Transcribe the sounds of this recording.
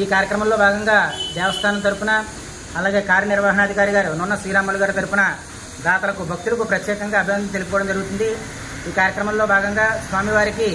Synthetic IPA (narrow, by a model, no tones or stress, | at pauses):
iːkaːɾjɐkɾɐmɐmlo̞ːbʱaːɡɐŋɡaːʋɛːʋɐst̪ʰaːnɐmt̪ɐɾupunɐ | ɐlaːɡe̞ːkaːɾjɐnɪɾʋaːɦɐnɐɐd̪ʱikaːɾiɡaːɾununːɐsɾiːɾaːmɐluɡaːɾit̪ɐɾupunɐ | d̪aːt̪ɐlɐkubʱɐk̚t̪ulɐkupɾɐt̪jɛːkɐŋɡaːɐbʱiʋɐnɐmt̪elip̬ɔːɽɐmd͡ʒɐɾuɡut̪und̪i | iːkaːɾjɐkɾɐmɐmloːbʱaːɡɐŋɡaːsʋaːmiʋaːɾiki